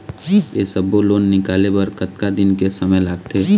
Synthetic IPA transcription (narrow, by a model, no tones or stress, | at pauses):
eːsɐboloːnːɪkaːlepɐɾkɐt̪kad̪ɪnkesɐməjlaːɡt̪ʰeː